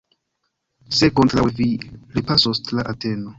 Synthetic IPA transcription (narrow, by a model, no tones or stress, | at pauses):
se̞kontɾawviɾipasostlaʔate̞no